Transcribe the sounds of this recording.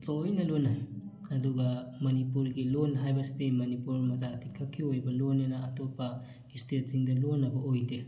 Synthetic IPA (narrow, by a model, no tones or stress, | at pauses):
tojnɐlonaj | ɐduɡɐmɐnipuɾɡilonɦajbɐsidejmɐnipuɾmɐzatʰikʰɐkʰːiojbɐlonːɐnɐɐtopːɐ | istʰet̚siŋdɐlonːɐbɐʔojde